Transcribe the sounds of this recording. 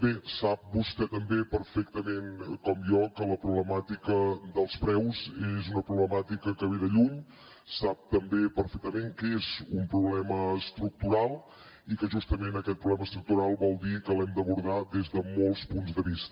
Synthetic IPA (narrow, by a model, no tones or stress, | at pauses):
besap̚bust̪ɛt̪əmbepəɾfɛkt̪əmenkɔmjɔkələpɾuβləmat̪ikəd̪əlˠspɾɛwzezunəpɾuβləmat̪ikəkəβeðəʎuɲ | sap̚t̪əmbepəɾfɛk̚t̪əmeŋkezumpɾuβlɛməːst̪ɾuk̚t̪uɾalˠ | ikəʒust̪əmenəkɛt̪̚pɾuβlɛməst̪ɾuk̚t̪uɾalˠbɔlˠd̪ikəlɛmd̪əβuɾðaðezðəmolˠspunzd̪əβist̪ə